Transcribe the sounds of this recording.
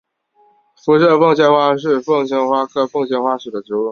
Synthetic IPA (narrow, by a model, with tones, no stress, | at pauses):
fu˧˥ʂɤ˥˧fɤ˥˧ŋɕjɛ˥˧nxwa˥ʂɻ̩˥˧fɤ˥˩ŋɕjɛ˥nxwa˥kʰɤ˥˧fɤ˥˧ŋɕjɛ˥nxwa˥ʂɻ̩˨˩d̪ə˦ʈ͡ʂɻ̩˧˥u˥˩